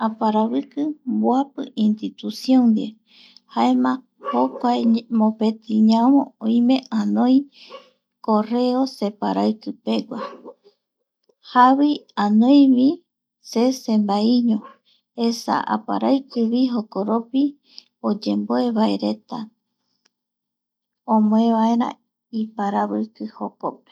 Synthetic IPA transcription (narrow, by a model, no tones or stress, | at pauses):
apaɾaβɨkɨmboapɨ̰ʔint̪it̪usjõnd̪e | haemã | hokʷaemõpe̞t̪ʰiɲãmõõj̃mẽ̞ãnõj̃ | kore̞ose̞pa̰ɾajkɨpe̞ɡʷa | haβiãnõjβi | se̞sẽ̞mbaiɲõ | esa̰ʔa̰pa̰ɾaɨkɨβiɦokoɾopi | od͡ʒe̞mboe̞βae̞̰ɾe̞t̪a | õmõẽβae̞ɾã̰ | ipaɾaβɨkɨhokop̚e̥